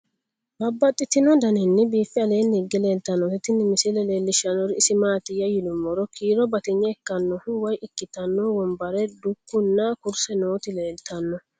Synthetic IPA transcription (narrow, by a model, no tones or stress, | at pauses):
bɐbːɐt̪ʼːɪt̪ɪnɔd̪ɐnɛnːɪbiːfːɪɐle̞ːnːɪɡːɛle̞ːlt̪ɐnːɔhɛt̪ɪnːɪmɪsilɛle̞ːlːɪʃɐnɔɾɪɪsɪmaːt̪ɪjɐjɪlʊmːɔɾɔkʰiːɾɔbɐt̪ɪɲːɐɛkːɐnːɔhʊwɐjɪkːɪt̪ɐnːɔwɔmbɐɾɛd̪ʊkːʊnːɐkʊɾsɛno̞ːt̪ɪle̞ːlt̪ɐnːɔ